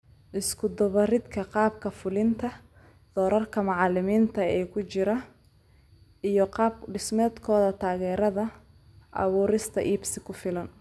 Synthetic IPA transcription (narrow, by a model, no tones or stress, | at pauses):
ʔɪskʰʊd̪ɔβɐrɪd̪kʰɐqɑːbkʰɐfʊlɪnt̪ʰɐ | d̪̥ɔːɾɐrkʰɐmɑʕɑlɪmiːnt̪ʰɐɛːkʰʊt͡ʃɪɾɐ | ʔijɞqɑːb̚ɖɪsmɛːd̪kʰɔːðɐt̪ʰaːɣɛːɾɐðɐ | ʔɐ̰βuːɾɪst̪ʰɐʔiːbsɪkʰʊfɪlɐn